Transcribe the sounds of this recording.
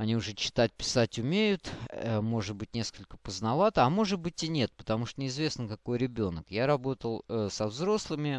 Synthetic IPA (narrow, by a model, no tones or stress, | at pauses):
ɐnʲiʊʐɛt͡ɕɪ̥t̪at̚ʲpʲɪ̥satʲʊmʲejʊt̪əmo̞ʐɨd̪̚bɨtʲnʲe̞skəlʲkə̥pəznɐvat̪əɐmo̞ʐɨd̪̚bɨtʲɪnʲe̞t̪̚pə̥t̪ɐmuʂt̪ənʲɪɪzvʲe̞snəkɐko̞jɾʲɪbʲo̞nəkjaɾɐbo̞t̪əlˠsɐvzɾo̞slˠɨmʲɪ